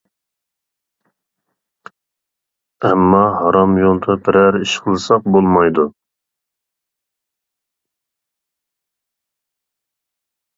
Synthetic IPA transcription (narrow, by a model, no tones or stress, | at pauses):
ɛmːɑɦɑɾɑmjont̪ʰɑpʰɪɾæɾiʃqʰəlˠɨsɑq̚bolˠmɑjd̪u